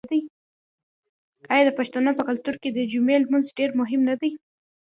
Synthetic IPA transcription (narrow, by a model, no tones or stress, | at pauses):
d̪aj | ajɑd̪əpaʃt̪anəpəkalt̪uɾked̪əd͡ʒumelmanzɖeɾmʊɦɪmnad̪aj